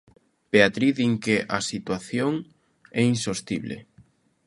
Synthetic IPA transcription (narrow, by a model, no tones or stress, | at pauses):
peat̪ɾiðiŋkeʔasit̪waθjoŋ | ɛinsost̪iβlḛ